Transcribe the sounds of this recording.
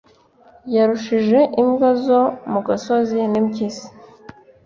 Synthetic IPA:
jaɾuʃiʒe̞ʔimɡazo̞muɡaso̞zinimcisi̥

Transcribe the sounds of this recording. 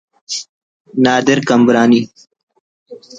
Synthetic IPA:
naːd̪ɪɾkɐmbɾaːni

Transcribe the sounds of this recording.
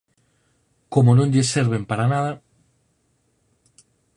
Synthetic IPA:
komonõɲʎeseɾβempaɾanaða

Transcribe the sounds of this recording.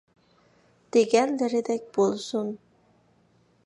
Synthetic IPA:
t̪eɡænːɘ̆ɾed̪æk̚ʲbolˠsun

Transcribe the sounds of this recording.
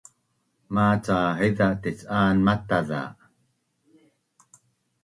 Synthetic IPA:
maːt͡saːħiðaʔt̪it͡saːnmat̪aða̰ː

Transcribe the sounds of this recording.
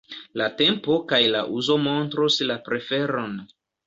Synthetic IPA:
late̞mpo̞kajla̰ʔuzo̞mo̞ntɾuslapɾe̞fe̞ɾon

